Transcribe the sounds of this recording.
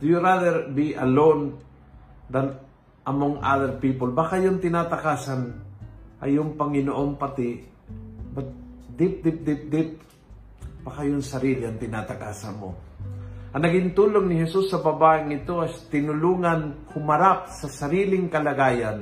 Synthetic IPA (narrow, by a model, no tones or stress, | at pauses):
d̪ʊjʊɾaðɛɾbiʔɐ̰lon | d̪ɐn | ʔɐmoŋʔa̰ðɛɾpiːpolbakajont̪ɪnat̪akaːsanʔɐ̰joŋpɐŋɪnoʔonpɐt̪ɪ | bat̪̚d̪ɪp̚d̪ɪp̚d̪ɪp̚d̪ɪp̚ | b̥ɐkajʊŋsɐɾiːlɪɐŋt̪ɪnat̪aka̰ːsa̰nmo̰ | ʔɐŋnɐɡɪnt̪uːloŋnɪɦɛsusːɐbabaːʔɪŋɪt̪oajt̪ɪnʊluːŋanhʊmɐɾap̚sɐsɐɾiːlɪŋkɐlɐɡaːjan